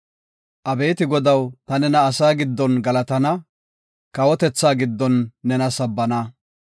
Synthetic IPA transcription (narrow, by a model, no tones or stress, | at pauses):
ʔɐbe̞ːt̪ɪɡɔd̪ɐwt̪ɐnɛnɐːsaːɡɪd̪ːɔnɡɐlɐt̪ɐnɐ | kɐwɔt̪ɛt͡sːaːɡɪd̪ːɔnːɛnɐsɐbːɐnɐ